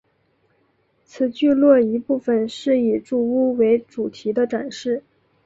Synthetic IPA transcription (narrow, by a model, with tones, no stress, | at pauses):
t͡sʰɹ̩˨˩t͡ɕy˥˧lwɔ˥˩i˧˥pu˥˩fə˨˩nʂɻ̩˥˩i˨˩ʈ͡ʂu˥˩u˥we˧˥ɪʈ͡ʂu˨˩t̪ʰi˧˥d̪ə˧ʈ͡ʂa˨˩nʂɻ̩˥˩